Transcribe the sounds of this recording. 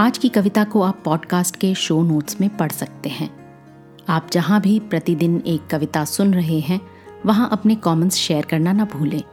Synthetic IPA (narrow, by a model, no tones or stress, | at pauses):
aːd͡ʒkikɐʋɪt̪akoaːpːɔːɖkaːsʈkeʃoːnoːʈsmẽpɐɽ̤sɐk̚t̪eɦɛ̃ː | aːp̚d͡ʒɐɦãbʱipɾɐt̪id̪ɪneːkːɐʋɪt̪asʊnɾɐɦeɦɛ̃ | ʋɐɦãʔɐpnekɔːmə̃nsʃɛːəɾkɐɾnanɐbʱuːlẽː